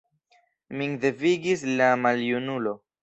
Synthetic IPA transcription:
miŋdeviɡislamaljunulo̞

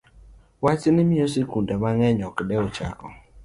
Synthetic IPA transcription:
wat͡ʃnɪmiosekundɛmaŋɛɲɔkdɛɔt͡ʃa̰kɔ̰

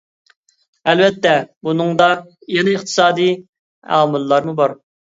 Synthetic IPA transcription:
ɛlvɛt̪ːɛbunɨŋd̪ɑ | jɛnɪɨχt̪ʰɨ̥sɑːd̪ɨj | æ̰ːmulːˠɑɾmubɑɾ

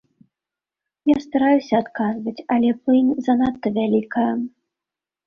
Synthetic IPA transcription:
jast̪aɾajusʲɐːt̪kazvɐt͡sʲɐlʲɛplɨnʲzɐnat̪ːɐvʲalʲikɐjɐ

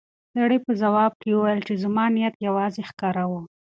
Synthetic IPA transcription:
saɽəpəzawɑb̚kewuwajəlt͡ʃezamɑnijat̪jawɑzexkɑɾawu

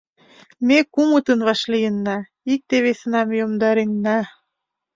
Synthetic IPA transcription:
mekumət̪ənβɑʃlijənːɑ | ik̚t̪eβesənɑmjomd̪ɑɾenːɑ

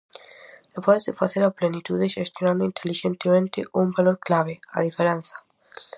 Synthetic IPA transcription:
d̪epɔzðɪfaθeɾaplenit̪uðeʃest̪jonãnd̪ʊint̪ʰeliʃent̪emẽnt̪ɪʔumbaloɾklaβ̞ea̰ðifeɾenθɐ̥

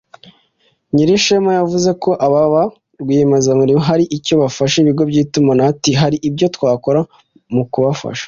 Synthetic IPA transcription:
ɲiɾiʃemajavuze̞ko̞ʔaβaβa | ɡwimazamuɾimoɦaɾiʔico̞βafaʃeβiɡo̞bɟiːtumanatiɦaɾiʔibjo̞twaːko̞ɾa | mukuβafa̰ʃḁ

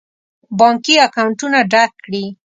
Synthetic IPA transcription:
bɑŋkiakawɳʈʊnaɖakːɽi

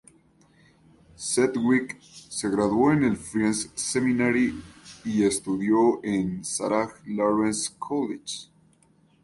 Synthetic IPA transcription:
set̪wikse̞ɣɾaðwoene̞lfɾensseminaɾiie̞st̪uðjo̞ʔensa̰ɾaxloɾenskʰolet͡ʃ

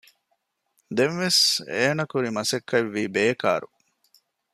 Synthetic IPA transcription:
d̪enʋeseːnɐkuɾimɐsekʰːɐʋːiːbeːka̰ːɾu

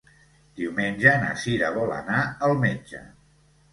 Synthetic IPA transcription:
d̪̥iwmenʲʒəna̰siɾəβɔlə̰naəlˠmed͡ʒə̰

